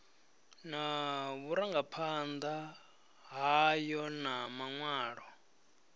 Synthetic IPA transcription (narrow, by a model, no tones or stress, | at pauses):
naβuɾaŋɡapʰand̪a | ɦajɔnamaŋwaːɺɔ